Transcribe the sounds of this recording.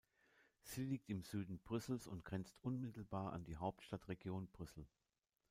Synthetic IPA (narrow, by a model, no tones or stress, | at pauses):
z̥iːliːk̚tɪmz̥yːdn̩b̥ʁʏsl̩sʊntɡ̥ʁɛnt͡stʔʊnmɪtl̩baːɐʔa̰ndiːɦaʊp̚tʃtatʁeɡjoːnb̥ʁʏsl̩